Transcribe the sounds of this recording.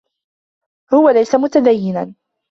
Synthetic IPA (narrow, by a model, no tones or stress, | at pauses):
hʊwalajsamʊt̪ad̪ajːɪnan